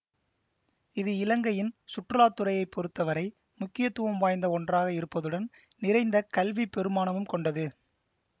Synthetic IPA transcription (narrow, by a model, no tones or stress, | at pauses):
ɪðɯɪlɐŋɡɐjɪnsʊʈrɯlaːt̪ːɯɾɐjɐɪpːɔɾɯt̪ːɐʋɐɾɐɪ | mʊkːɪjɐt̪ːuʋɐmʋaːjnd̪ɐɔɳdraːɣɐɪɾɯpːɐðɯɽɐn | nɪɾɐɪnd̪ɐkɐlʋipːɛɾɯmaːnɐmɯmkɔɳɖɐðɯ